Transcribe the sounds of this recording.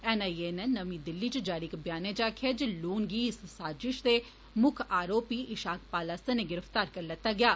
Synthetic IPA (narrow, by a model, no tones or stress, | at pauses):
ɛnaːieːnenəmĩːd̪ɪlːiːt͡ʃd͡ʒaːɽiːkbjaːneːd͡ʒaːkʰeːd͡ʒluːnɡiːssaːd͡ʒɪʃd̪eː | mʊkʰaːɾoːpiːʔɪʃaːk̚ʰpaːlaːsəneːɡɪɾəft̪aːɾkəɾlɛːt̪ːaːɡɪjaː